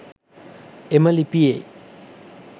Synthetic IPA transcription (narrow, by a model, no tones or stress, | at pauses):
emalipie